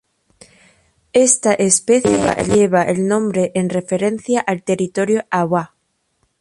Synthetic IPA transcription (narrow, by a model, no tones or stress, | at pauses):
est̪aʔespeθjea̰ʎeβ̞aʔelnõ̞mbɾeʔenrefeɾen̟θjaʔalt̪e̞rit̪o̞ɾjoʔaβwa